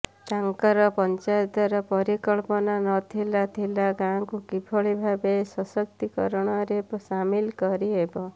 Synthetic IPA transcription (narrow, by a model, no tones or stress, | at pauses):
t̪aŋkɔɾɔpɔnt͡ʃajt̪ɔɾɔpɔɾikɔɭpɔnanɔt̪ʰilat̪ʰilaɡãkukipʰɔɭibʱabesɔsɔk̚t̪ikɔ̰ɾɔɽ̃ɔɾepsamilkɔɾiebɔ